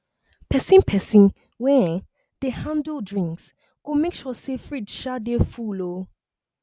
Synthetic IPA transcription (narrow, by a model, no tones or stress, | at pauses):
pʰɛsĩnpʰɛsĩn | wɛ̃ | dehãndldɹĩŋks | ɡ̥omekʃɔsefɹidʃadefulo